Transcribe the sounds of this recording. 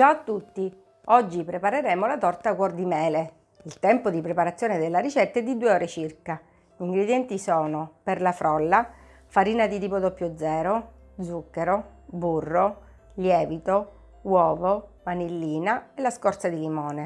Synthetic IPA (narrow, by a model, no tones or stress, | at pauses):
d͡ʒaːt̪ːut̪ːi | ɔd͡ʒːipɾepaɾeɾeːmolat̪ɔrt̪akwɔrd̪imɛːle | ilt̪ɛmpod̪ipɾepaɾat̪sːjoːned̪elːaɾit͡ʃɛt̪ːed̪id̪uːeɔːɾet͡ʃirka | ʎiŋɡɾed̪jɛnt̪isɔːnoperlafɾʔɔlːa | faɾiːnad̪it̪iːpod̪ɔpjod̪zːɛːɾo | d̪zukːeɾo | burːo | ljɛːvit̪o | wɔːvomanilːiːnaelaskɔɾt̪sad̪ilimɔːne